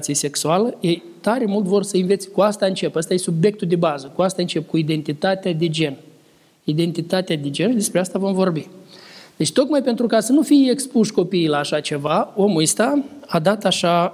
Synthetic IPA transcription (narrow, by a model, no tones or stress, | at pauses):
t̪sijese̞ksualəjej | t̪aɾe̞mult̪vo̞rsəinvet̪sʲkuast̪aɨnt͡ʃe̞past̪ajesubje̞k̚t̪uld̪e̞bazəkuast̪aɨnt͡ʃe̞p̚kuid̪e̞nt̪it̪at̪ead̪e̞d͡ʒe̞n | id̪e̞nt̪it̪at̪ead̪e̞d͡ʒe̞nd̪espɾeast̪avo̞mvo̞rbid̪e̞t͡ʃt̪o̞kmajpe̞nt̪ɾukasənufijekspuʃko̞piːlaːʃat͡ʃe̞vaomuist̪aad̪at̪aʃa